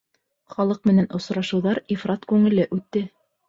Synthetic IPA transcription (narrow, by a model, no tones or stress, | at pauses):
χɑlˠɤqmɘ̆nænʔŏsɾɑʃɤ̆wðɑɾifrɑt̪kʉŋɘ̆lɘʔʉt̪ːɘ